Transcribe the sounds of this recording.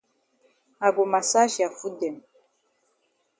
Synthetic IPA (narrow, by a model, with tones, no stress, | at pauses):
a˨ɡo˨ma˨sa˦ʒi˨a˨fu˦dɛ˨m